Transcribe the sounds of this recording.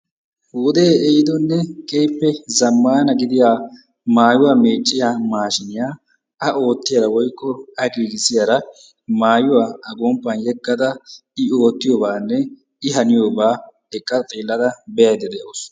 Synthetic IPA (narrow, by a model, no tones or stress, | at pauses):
hwʊd̪eːɛjɪd̪ɔnːɛkʼejpːɛzɐmːaːnɐɡɪd̪ɪjaː | maːjʊwaːme̞ːt͡ʃʼːɪjamaːʃɪnɪjaː | ɐʔo̞ːt̪ːɪjɐɾɐwɔjkʼːɔɐɡiːɡɪsɪjɐɾɐ | maːjʊwaːɐɡɔmpːɐnjɛkʼːɐd̪ɐɪo̞ːt̪ːɪjoːbaːnːɛ | ɪɦɐnɪjo̞ːbaː | ɛkʼːɐt̪ʼiːlːɐd̪ɐbɛjɐjd̪ɛd̪ɛʔos